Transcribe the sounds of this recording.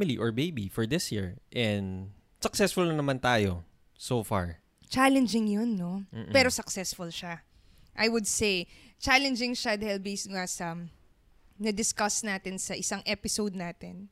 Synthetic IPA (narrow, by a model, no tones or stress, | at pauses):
miliʔɔɹbejbifɔɹd̪ɪsjiɹʔɛnd̪ | sɐksɛsfʊlnɐnɐmant̪aːjo | soːfa̰ɹ | t͡ʃalɛnd͡ʒɪŋjonːo̞mːpɛɾosɐksɛsfʊlʃa | ʔɐjwʊd̪sejt͡ʃalɛnd͡ʒɪŋʃɐd̪hɛlbejsŋasɐ | nɐd̪ɪskɐsnaːt̪ɪnsɐʔɪsaŋʔɛpɪsowd̪̚naːt̪ɪn